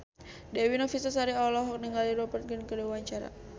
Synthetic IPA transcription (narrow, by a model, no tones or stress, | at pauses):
dɛwinɔfisasaɾiɔlɔɦɔk̚nəŋaliɾɔbərt̪̚ɡənkəlewaɲt͡ʃaɾa̰